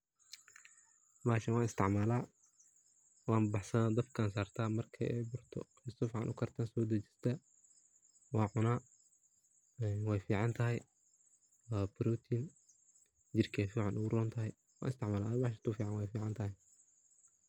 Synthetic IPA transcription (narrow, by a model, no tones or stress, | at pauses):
baːʃɐnwɑːnɪst̪ʰɪʕmaːlaː | wɑːmbɑħsɐnd̪ɐbkʰaːnsaːrt̪ʰaːmɐrkʰɐ̰ʔɛbʊrt̪ʰɔ̰ | ɪst̪ɔfʕɑ̰nʔʊkʰɐrt̪ʰaːnsɔːd̪ɐt͡ʃɪ̥st̪ʰɐ | wɑːʕʊnaː | ɛwɛjfiːʕɑnt̪ʰɐɦɛj | waːbɾɔːt̪ʰiːn | d͡ʒɪrkʰɛːfiːʕɑnʔʊɣʊɾɔːnt̪ʰɐɦɛj | wɑ̰ːnɪst̪ɪʕmaːlaːʔbaʃ̬ɐt̪ufiːʕɑnwɛjfiːʕɑnt̪ʰɐɦɛj